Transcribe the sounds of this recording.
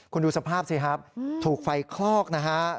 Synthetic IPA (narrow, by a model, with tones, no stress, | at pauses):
kʰu˧nduː˧sa˧pʰaː˥˩p̚sʰiː˧˩kʰa˦˥p̚t̪ʰuː˨˩k̚fa˧jkʰlɔː˥˩k̚na˦˥kʰa˦˥